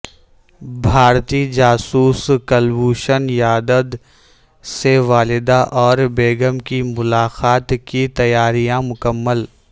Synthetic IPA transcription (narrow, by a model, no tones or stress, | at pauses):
bʱaːɾt̪id͡ʒaːsuːskəlʋuːʃənjaːd̪əd̪ | seʋaːlɪd̪aʔɔːɾbeːɡəmkimʊlaːqaːt̪kit̪ɐjaːɾijãmʊkəmːəl